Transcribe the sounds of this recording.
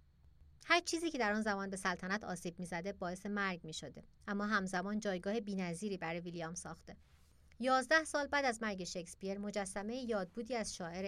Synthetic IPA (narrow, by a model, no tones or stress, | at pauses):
hæɾt͡ʃʰiːziːcʰe̞d̪æɾɒːnzæmɒːnbe̞sælt̪ʰænæt̪ʰɒ̰ːsiːb̚miːzæd̪e̞bɒːe̞se̞mæɾɟmiːʃod̪e̞ʔæmːɒːɦæmzæmɒːnd͡ʒɒːjɡɒːhebiːnæziːɾiːbæɾjvilijɒmsɒːxt̪e̞ | jɒːzd̪æhsɒːlbæːd̪æzmæɾɟeʃekspieɾmo̞d͡ʒæsːæme̞jejɒːd̪̚buːd̪iːæz̥ʃɒːe̞ɾe